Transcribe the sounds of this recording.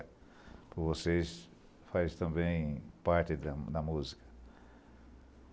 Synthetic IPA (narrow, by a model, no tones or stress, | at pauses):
pʊvoses | fajst̪ɐ̃mbẽj̃paɾt͡ʃ̪ɪd̪ɐd̪ɐmuzikɐ̥